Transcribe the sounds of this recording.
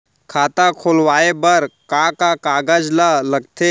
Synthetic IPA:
kʰaːt̪akʰoːlʋaːebəɾkãkakaːɡad͡ʒlaləɡ̚t̪ʰe

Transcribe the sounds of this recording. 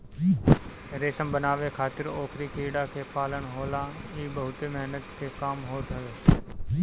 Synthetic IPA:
ɾeːsəmbənaːʋekʰaːt̪ɪɾoːkʰɾikiːɽakepaːlənɦoːlãɦiːbəɦʊt̪emɛɦnət̪kekaːmɦoːt̪ɦəʋeː

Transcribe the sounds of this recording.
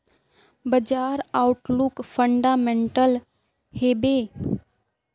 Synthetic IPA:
bəd͡ʒaːɾaʊʈlʊkfʰə̃ɳɖaːmẽɳʈəl | heːbeː

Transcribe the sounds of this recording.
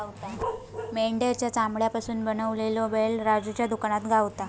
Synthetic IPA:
t̪ameɳɖjat͡ɕjat͡samɭjapasuːnbənəʋleloʋelɾad͡zut͡ɕjad̪ukaɳ̃at̪ɡʱaʋt̪a

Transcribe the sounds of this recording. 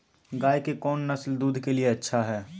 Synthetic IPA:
ɡaːjkekɔːnːɐsld̪uːd̪ʱkelieɐtːʃʰaɦɛː

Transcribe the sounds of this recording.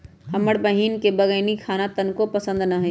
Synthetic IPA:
həməɽbəɦiːnkebəɡəɪnikʰaːnat̪ənkopəsə̃nd̪nɐɦɛ

